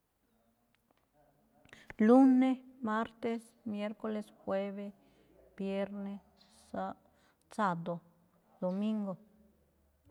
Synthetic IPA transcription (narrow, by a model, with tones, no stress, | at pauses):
lu˦ne˦ma˦ɾt̪e˦s | mje˦ɾko˧˦le˧sxwe˦βe˦ | b̥je˦ɾne˦ | sa˦ | sa˧d̪o˨ | d̪̥o˨mi˦ŋɡo˨